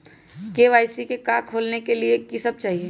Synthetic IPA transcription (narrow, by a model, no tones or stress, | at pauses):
keʋaːɪsikekaːkʰːoːlnekeliekisəb̚t͡ʃaːɦie